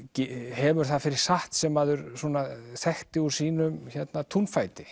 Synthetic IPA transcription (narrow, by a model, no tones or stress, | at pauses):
cɪhɛvʏɾ̥θaðfɪɾɪɾ̥saht̪sɛmaðʏɾsɔːnaθɛxt̪ɪuɾsiːnʏmçɛt̪nat̪ʰunfajt̪ɪ